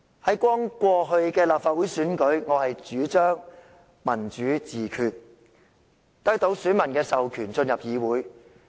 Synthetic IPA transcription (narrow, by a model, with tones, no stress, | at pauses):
hɐ˨˥jkʷɔː˥ŋkʷɔː˧ɦɵ˧ɥkɛː˧laː˨p̚faː˧t̚wuː˨˥jsyː˨˥nkɵ˨˥ɥŋɔː˨˧hɐ˨jt͡ʃyː˨˥t͡ʃœː˥ŋ | mɐ˨˩nt͡ʃyː˨˥t͡siː˨kʰyː˨t̚ | t̪ɐ˥k̚t̪o˨˥wsyː˨˥nmɐ˨˩nkɛː˧sɐ˨wkʰyː˨˩nt͡sɵ˧njɐ˨p̚jiː˨˧wuː˨˥j